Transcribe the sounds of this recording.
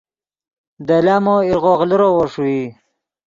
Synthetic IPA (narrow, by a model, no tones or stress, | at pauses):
d̪elaːmoiɾɣoːɣliɾowoʂui